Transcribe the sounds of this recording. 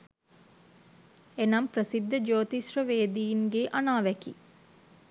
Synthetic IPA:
enamprəsid̪ʱːəd͡ʒoːt̪isrəʋeːd̪iːnɡeʔanaːʋæki

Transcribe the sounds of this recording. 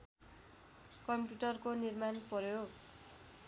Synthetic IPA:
kʌmpjuʈʌrkonirmanprʌjoɡ

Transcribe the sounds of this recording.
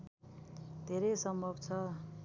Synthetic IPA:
d̪ʱeɾʌsʌmbʱʌbt͡sʰʌ

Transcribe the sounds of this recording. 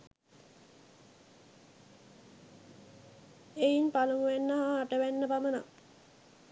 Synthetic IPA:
einpaluŋuʋænːəɦaːʈəʋænːəpaməna̰

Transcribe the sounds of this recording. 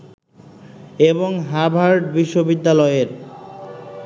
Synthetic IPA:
eboŋɦabʱaɾɖbiʃːobid̪ːalɔeɾ

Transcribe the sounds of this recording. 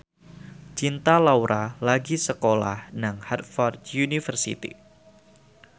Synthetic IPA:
t͡ʃint̪alawɾʔalaɡisəkola̰hnaŋhat̪̚fɔrd̪junifərsḭt̪ḭ

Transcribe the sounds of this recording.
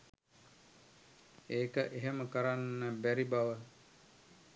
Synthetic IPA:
eːkəʔeɦeməkəɾanːəbæɾibaʋə

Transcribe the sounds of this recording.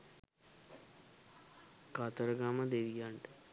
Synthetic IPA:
kaːt̪ɐɾɐɡaːmɐd̪eʋijaːɳʈə

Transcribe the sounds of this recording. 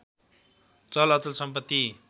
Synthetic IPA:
t͡sʌlʌt͡sʌlsʌmpʌt̪ːi

